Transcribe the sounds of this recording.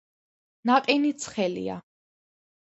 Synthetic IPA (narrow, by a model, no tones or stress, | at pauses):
naqʼinit̪sʰχɛlḭa̰